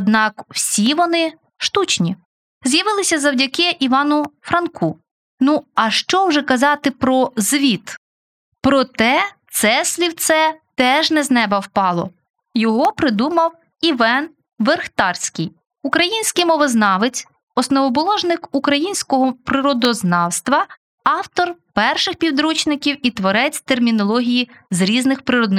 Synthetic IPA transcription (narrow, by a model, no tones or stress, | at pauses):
ɔd̪nɑkw̥sʲiʋɔnɪ | ʃt̪ut͡ʃnʲi | zjɐʋɪlˠɪsʲɐzɐwdʲɐkɪʔiʋɑnʊfɾɐnkʰu | nuɐʃt͡ʃɔwʒɛkɐzɑt̪ɪpɾɔzʋʲit̪ | pɾɔt̪ɛt̪sɛsʲlʲiwt̪sɛt̪ɛʒnɛznɛbɐwpɑlˠɔ̰ | jɔɦɔpɾɪd̪umɐw | iʋɛn | ʋerxt̪ɑrsʲkɪj | ukɾɐjinʲsʲkɪjmɔʋznɑʋɪt͡sʲ | ɔsnɔʋɔbɔlˠɔʒnɪkukɾɐjinʲsʲkɔɦɔpɾɪɾɔd̪ɔznɑwst̪ʋɐ | ɑwt̪ɔrpɛrʃɪxpʲiwd̪ɾut͡ʃnɪkʲiwit̪ʋɔɾɛt͡sʲt̪ermʲinɔlˠɔɦʲijizɾʲiznɪxpɾɪɾɔd̪nɪ